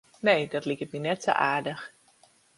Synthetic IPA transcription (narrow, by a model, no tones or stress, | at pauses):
nejdɔtlikət̚minɛtso̰ʔaːɹdəx